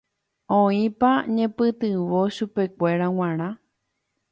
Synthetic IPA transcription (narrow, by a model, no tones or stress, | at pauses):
õĩpaɲẽ̞pɨt̪ɨʋoʃupe̞kʷe̞ɾaw̃ãɾ̃ã